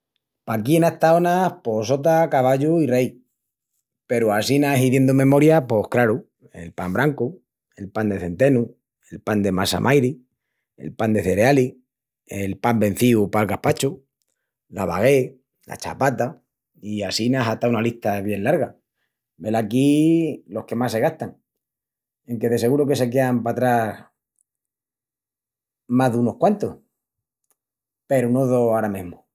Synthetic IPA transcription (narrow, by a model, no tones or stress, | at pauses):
pakie̞naht̪aonahpo̞so̞t̪̬akaβaʎuirej | pe̞ɾuasinasiðje̞nd̪omẽ̞mo̞ɾjapo̞hkɾaɾu | e̞̰lpambɾaŋku | e̞lpand̪e̞θe̞nt̪e̞nu | e̞lpand̪e̞masa̰mʔajɾi | e̞̰lpand̪e̞θe̞ɾeali | elpambe̞n̟θiupalkahpat͡ʃu | laβa̰ɣ̞e̞ | la̰t͡ʃa̰pat̪a | iasinaɦat̪aunaliht̪aβje̞nlaɾɣa | be̞lakilo̞hke̞masːe̞ɣ̞aht̪aŋ | e̞ŋke̞ðe̞s̬e̞ɣuɾoke̞se̞k̬e̞ampat̪ɾas | maðuno̞hkwant̪oh | pe̞ɾunoðoaɾamẽɦmo